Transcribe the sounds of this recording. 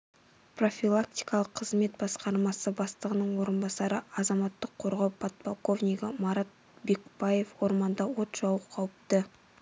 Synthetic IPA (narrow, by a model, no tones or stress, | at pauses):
pro̞fʲilˠak̚t̪ijkɑlˠəqʰːəzme̞t̪̚bɑsqɑɾmɑsəbɑst̪əʁənəɴwo̞ɾənbɑsɑɾəɑzɑmɑt̪ːəqʰːo̞ɾʁɑwpʰɑt̪̚polˠko̞vnʲijɡəmɑɾɑt̪̚ | be̞kbaje̞fwo̞ɾmɑnd̪ɑwo̞t̪ʒ̥ɑwəqqʰɑwəp̚t̪ə